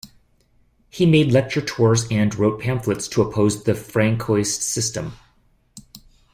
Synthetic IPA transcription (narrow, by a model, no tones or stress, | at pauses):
himeɪdˡlɛk̚t͡ʃə˞tʰɔɹzɨ̃nɹoʊt̚pʰæ̃nflɨtstʰəəpʰoʊzðɨfɹæ̃ŋkʰɔɪssɪstə̃m